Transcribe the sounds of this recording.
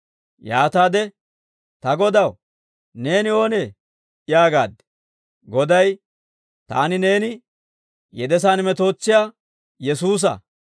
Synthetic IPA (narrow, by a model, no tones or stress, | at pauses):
jaːt̪aːd̪ɛ | t̪ɐɡɔd̪ɐw | ne̞ːnɪo̞ːneː | ɪjaːɡaːd̪ɛ̥ | ɡɔd̪ɐj | t̪a̰ːnɪne̞ːnɪ | jɛd̪ɛs̬aːnmɛt̪o̞ːt͡sːɪjaː | jɛsuːs̬ɐ̰